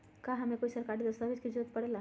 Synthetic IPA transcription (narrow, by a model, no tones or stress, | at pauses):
kaɦɐmẽkoːisɐɾkaɾid̪əst̪abid͡ʒkid͡ʒot̪̚pəɽela